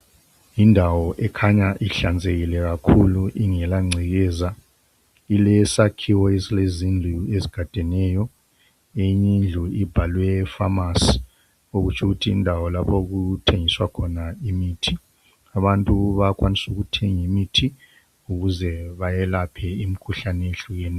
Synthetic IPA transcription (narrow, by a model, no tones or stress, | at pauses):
jindʱawɔʔɛkʰaɲaʔiɬand͡zʱeɣilɛɣ̬akʰuluʔiŋɛlaŋ͡ǀʱiɣɛːza | ilɛsakʰiwɔesilezind͡ɮʱueziɡ̥ʱatʼɛnɛjɔ | eɲind͡ɮʱuib̥ʱalwɛfamas | oɣut͡ʃʰuɣutʰiːndʱawɔlapʰoɣutʰeŋiswakʰɔnaimiːtʰi | aβantʼuβak̬ʼwʔanisuɣutʰeŋimitʰi | uɣuzɛβajɛlapʰɛimikʰuɬaneɬujɛn